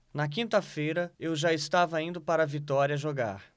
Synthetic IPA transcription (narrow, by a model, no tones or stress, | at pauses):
nɐk̬ĩnt̪ɐfejɾɐewʒaɪst̪avɐĩnd̪ʊpaɾɐvit̪ɔɾiɐʒoɡa̰ɾ